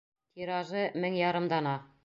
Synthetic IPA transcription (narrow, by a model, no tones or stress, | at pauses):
t̪ʰiɾɑʒɤmɘŋjɑɾɤ̆md̪ɑnɑ